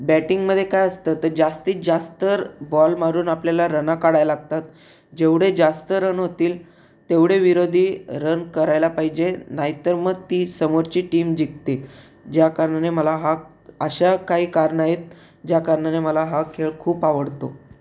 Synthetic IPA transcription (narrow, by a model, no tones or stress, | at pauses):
bæʈiŋɡməd̪ʱjekajəst̪ət̪əɾd͡ʑast̪iːd͡zast̪əɾbɔlmaɾuːnapljalaɾənakaɽajlaɡ̚t̪at̪ | d͡ʑeʋɽed͡zast̪əɾənɦot̪iːl | t̪eʋɽeʋiɾod̪ʱiːɾənkəɾajlapaɦid͡ʑenajt̪əɾməɡt̪iːsəmoɾt͡ɕiːʈiːmd͡ʑik̚t̪e | d͡ʑjakaɾɳaneməlaɦa | əɕakaɦiːkaɾɳaɦjet̪̚ | d͡ʑjakaɾɳaneməlaɦakʰeɭkʰuːpaʋəɽt̪o